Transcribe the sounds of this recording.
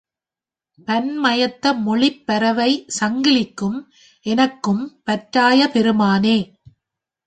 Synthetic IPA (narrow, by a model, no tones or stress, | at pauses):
pɐnmɐjɐt̪ːɐmɔɭɪpːɐɾɐʋɐɪsɐŋɡɪɭɪkːɯm | ʔɛnɐkːɯmpɐʈɾaːjɐpɛɾɯmaːneː